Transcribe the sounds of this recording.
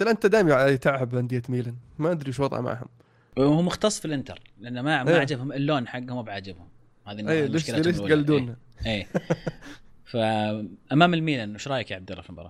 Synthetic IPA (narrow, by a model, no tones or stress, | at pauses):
aθalʔant̪ad̪aːɪmjʕit̪ɪʕʕabhand̪ɪjːat̪miːlanmaʔad̪ɾiʃ̬wɑðˤʕa̰ma̰ʕhʊ̰m | humʊxt̪ɑsˤːfilʔɪnt̪ɑ̰ɾˤlɪʔanːmamaaʕd͡ʒɪbhʊmʔɪlːoːnħaɡːhʊmbʕaːd͡ʒɪbhʊm | haːðiejmleːʃkɪlaleʃɡalːd̪uːnhaʔeː | faʔamaːmɪlmiːlaʔnːʊʃɾˤɑːjakjaʕab̚d̪ɪɾˤa̰flbɑɾˤɑ̰